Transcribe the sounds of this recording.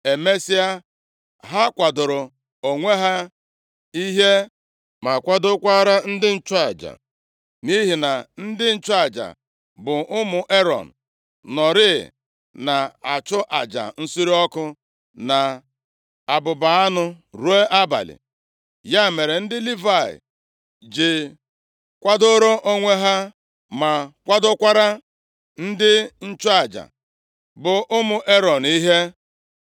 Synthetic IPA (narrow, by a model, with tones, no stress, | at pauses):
e˨me˦si˦a˦ | ɦa˦kʷa˨dʊ˨ɾʊ˨ | o˨ŋʷe˦ɦa˦ | i˦ɦe˦ | ma˨kʷa˦dʊ˦kʷa˦ɾa˦n̩˦dɪ˦n̩˦t͡ʃʊ˦a˨d͡ʒa̰˨ | mi˦ɦi˨na˨n̩˦dɪ˦n̩˨t͡ʃʊ˦a˨d͡ʒa̰˨ | bʊ˨ʊ˦mʊ˨ʔe˦ɾɔ̰˨n̩˨ | nɔ˨ɾɪ˦˨ | na˨a˨t͡ʃʊ˦ʔa̰˨d͡ʒa̰˨n̩˦su˦ɾi˦ɔ˦kʊ˦ | na˨ | a˨bʊ˨ba˨a˦nʊ˦ɾu˦e˦ʔa˦ba̰˨lɪ̰˨ | ja˦˨me˨ɾe˨n̩˦dɪ˦li˦va˨ɪ̰˨ | d͡ʒɪ˨ | kʷa˦do˦ɾo˦ʔo˦ŋʷe˦ɦa˦ | ma˨kʷa˦dʊ˦kʷa˦ɾa˦ | n̩˦dɪ˦n̩˦t͡ʃʊ˦a˨d͡ʒa̰˨ | bʊ˨ʔʊ˦mʊ˨ʔe˦ɾɔ˨ni˦ɦe˦